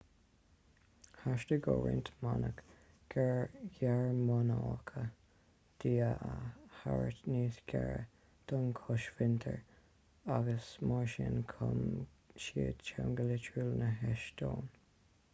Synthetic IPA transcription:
haʃtəɡoɹɪ̰nt̪manək | ɡ̥ɛɹjɛɹmɔnɑkʰə | d̪̥iːəʔəhaɹət̪niːsɡ̥ɛɹə | d̪̥ɔnkʰɔʃvɪnt̪ʰəɹ | aɡəsmaɹʃɪnkʰʊm | ʃiət͡ʃʰɛwŋɡəlɪt͡ʃʰuːlnəɦɛʃd̪̥oːn

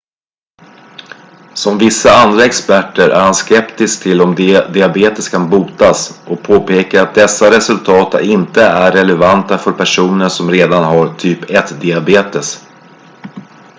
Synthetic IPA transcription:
sɔmvɪsːaand̪ɾaɛkspæʈːəɾʔæ̰ɾhanskɛpt̪ɪsk̚t̪ʰɪlːɔmd̪d̪ɪabeːt̪əskʰanbuːt̪asʔɔk̚pʰoːpeːkaɾat̪̚d̪ɛsːaɾɛsɵlt̪ʰɑːt̪a̰ɪnt̪əæɾɛlɛvant̪afœɾpʰæʂuːnənsɔmɾeːd̪anɦaɾt̪ʰyːpɛt̪d̪ɪabeːt̪əs

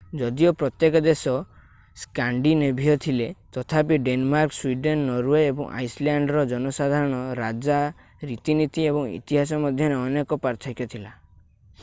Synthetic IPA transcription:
d͡ʒɔd̪iɔpɾɔt̪jekɔd̪esɔ | skaɳɖinebʱijɔt̪ʰilet̪ɔt̪ʰapiɖenmaɾkswiɖenːɔɾweːbɔ̰ŋʔa̰jsljaɳɖɾɔd͡ʒɔnɔsad̪ʱaɾɔɽ̃ɔɾad͡ʒa | ɾit̪init̪iebɔŋḭt̪iɦas̬ɔmɔd̪ʱjɔɾeɔnekɔpaɾt̪ʰɔkjɔt̪ʰila

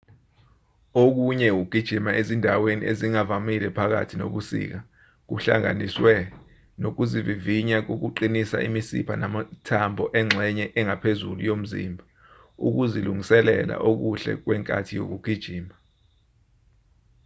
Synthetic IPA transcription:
ok̬uɲɛwuɡ̥ʱid̥ʒ̥ʱimaʔezindʱawenḭʔeziŋavamilɛpʰak̬a̰tʰino̰ɓusḭk̬a | k̬uɬaŋa̰niswɛ | nok̬uziviviɲak̬ok̬uǃinisa̰imisḭpʰa̰namatʰambʱɔʔɛŋ͡ǁʱɛɲɛʔɛŋʱapʰezulujom̩zḭmbʱa | uk̬uziluŋʱisɛlɛ̰la̰ʔok̬uɬɛ̰k̬wɛŋkʼa̰tʰijo̰k̬uɡ̥ʱid̥ʒ̥ʱiːma

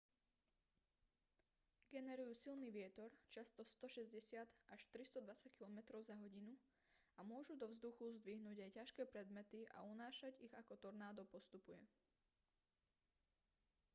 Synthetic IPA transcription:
ɡɛnɛɾujuːsilniʋɪɛt̪ɔɾt͡ʃast̪ɔst̪ɔʃɛzɟɛsɪad̪aʃt̪ɾist̪ɔd̪ʋat͡sac̚kilɔmɛt̪ɾɔʊzaɦɔɟinu | amʊɔʒud̪ɔvzd̪uxuzd̪ʋiɦnuːɟajcaʃkɛːpɾɛd̪mɛt̪iʔa̰unaːʃaɟiɣakɔt̪ɔɾnaːd̪ɔpɔst̪upujɛ

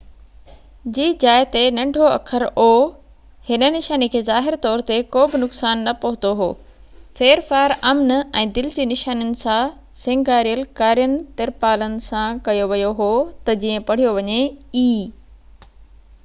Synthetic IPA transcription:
d͡ʑiːd͡ʑaːɪt̪enɐ̃ɳɖʱoɐ̰kʰəɾoː | hɪnə̆nɪʃaːnikʰeːzaːɦɪɾt̪ɔːɾt̪ekoːbɪnʊksaːnːɐpɐɦʊ̃t̪oɦo̰ː | feːɾfaːɾɐmnɛ̃ːd̪ɪlɪd͡ʑiːnɪʃaːnjənɪ̆sã | sẽːŋɡaːɾijəlkaːɾijənɪ̆t̪ɪɾpaːlənɪ̆sãkɐjoʋɐjoɦoːt̪ɐd͡ʑĩːə̃pɐɽ̤ijoʋɐɲeiː

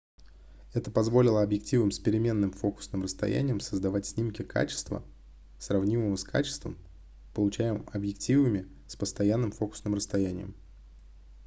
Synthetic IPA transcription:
ɛt̪əpɐzvo̞lʲɪlˠəɐbjɪk̚tʲivɨmspʲɪɾʲɪmʲe̞nːɨmfo̞kʊ̥snɨmrəst̪ɐ̰jæ̰nʲɪjəmsəzd̪ɐvatʲsʲnʲimkʲɪkʰa̰t͡ɕɪ̥st̪və̰ | srɐvnʲiməvəskʰa̰t͡ɕɪ̥st̪və̰m | pəlˠʊt͡ɕæjɪmmɐbjɪktʲivɨmʲɪ | spəst̪ɐjanːɨmfo̞kʊ̥snɨmrəst̪ɐjænʲɪ̰jə̰m

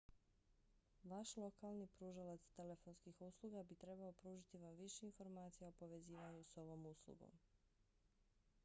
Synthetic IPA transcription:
ʋaʃlˠo̞kalˠnipɾuːʒalat̪st̪e̞le̞fo̞nskixuːslˠuɡabit̪ɾe̞baopɾuːʒit̪iʋamʋiʃeinfo̞ɾmaːt̪sijaopo̞ʋe̞ziːʋaɲuso̞ʋo̞muːslˠṵɡo̞̰m

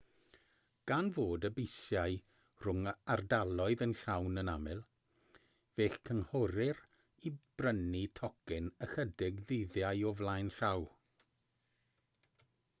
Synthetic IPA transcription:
ɡ̥anvoːdəbɪjsjaɨ | r̥ʊŋardalˠɔɨðənɬawnənamɪlˠ | v̥eːɬkʰənhɔɾɪr | ib̥rənitʰɔkɪnəxədɪɡðɪðjajɔvlˠajnɬaw

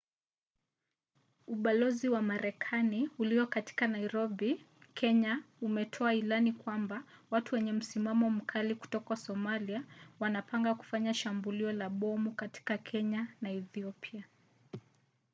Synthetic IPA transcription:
uɓalɔziwamaɾɛkʰaniuliɔkati̥kanaiɾɔɓi | kʰɛɲaumɛtʰɔailanikwambawatuwɛɲɛm̩simamɔm̩kʰaliku̥tɔkasɔmaliawanapaŋɡaku̥faɲaʃambuliɔlaɓɔmukati̥kakʰɛɲanaɛθiɔpia

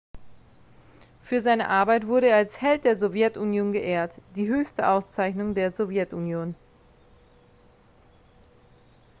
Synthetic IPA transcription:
fyːɐzaɪnə̰ʔaɐbaɪtv̥ʊɐɾəeːɐalshɛlt̚d̥eːɐzovjɛtʔunjoːnɡəʔeːɐtd̥iːɦøːçstəʔaʊst͡saɪçnʊŋdeːɐzovjɛtunjoːn

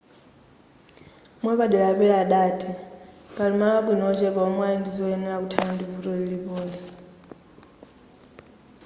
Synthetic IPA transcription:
mwɛpaɗilaapɛɺaɗaːtʰi | palimalwakwinɔɔt͡ʃɛβaɔmwaindizɔɛnɛɺakutʰanandivutɔlilipɔːlɛ

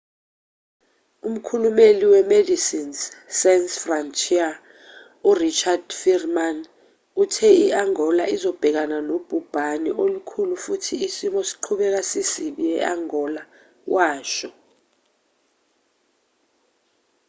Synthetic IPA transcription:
um̩kʰulumeliwɛmedisinssɛnsfrantʰʼia | urit͡ʃʰʼad̥firman | utʰɛiaŋɔlaizɔb̥ʱɛk̬ananob̥ʱub̥ʱanḭʔolukʰulufutʰiːsimɔsi̥ǃʰuɓɛk̬asisiɓiɛ̰aŋɔla | wʔaːʃɔ

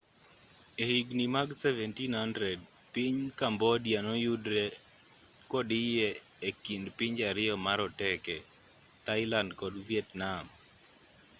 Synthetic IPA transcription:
ehiɡnimaɡsɛvɛntinhandɾɛd̚ | piɲkambɔdɪanɔjudɾɛ | kɔdɪjɛ | ekindpɪɲd͡ʒaɾɪjɔmaɾɔtɛkɛ | t̪aɪlandkɔdvjɛtnam

